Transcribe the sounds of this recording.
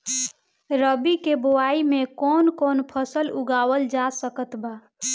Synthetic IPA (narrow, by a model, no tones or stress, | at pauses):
ɾəbikeboaimekɔnkonpʰəsəluɡawəld͡ʒasəkət̪ba